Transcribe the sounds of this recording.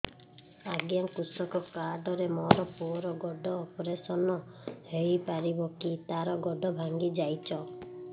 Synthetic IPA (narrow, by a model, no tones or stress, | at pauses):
aɡjaŋkusɔkɔkaɖɔɾemɔɾɔpuɔɾɔɡɔɖɔːpɔɾesɔnɔhejpaɾibɔkit̪aɾɔɡɔɖɔbʱaŋɡid͡ʒajt͡ʃʰɔ